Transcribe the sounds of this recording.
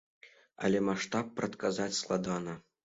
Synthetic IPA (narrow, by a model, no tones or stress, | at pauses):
a̰lʲemaʂt̪ɑpːrɐt̪kazatʲslˠɑ̰d̪ɑnə